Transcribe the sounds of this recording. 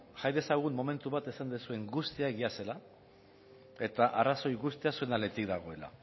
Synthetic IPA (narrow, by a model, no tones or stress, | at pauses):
ʝajðe̞saɣ̞unːo̞me̞nt̪uβat̪e̞sand̪esue̞ŋɡust̪iaeɣiase̞la | e̞t̪aʔaraso̞jɣust̪easue̞nale̞t̪ikd̪aɣ̞o̞e̞la̰